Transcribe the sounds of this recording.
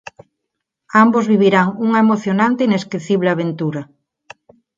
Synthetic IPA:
ambozβiβ̞iɾaŋuŋɐemoθjonant̪eineskeθiβleaβent̪uɾɐ

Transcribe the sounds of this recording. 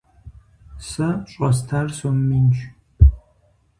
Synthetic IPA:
sɐɕʼɐstʰarsomːint͡ʃʰʼ

